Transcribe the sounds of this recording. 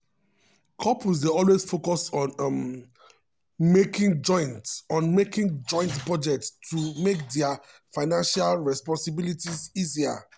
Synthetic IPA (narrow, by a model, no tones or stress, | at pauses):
kʰɔpusdeɔlwez̥fokɔsɔ̃nm | mekĩŋd͡ʒɔ̃ɪ̃ntɔ̃nmekĩŋd͡ʒɔ̃ɪ̃ntpɹɔd͡ʒɛk̚tʰːumekdɛa | faɪnãnʃalɹɛspɔ̃nsibilitizizia̰